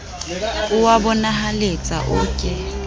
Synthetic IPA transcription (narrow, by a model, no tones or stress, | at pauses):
ʊwabʊnaɦalet͡sʼa̰ʔʊ̰ːkʼɪ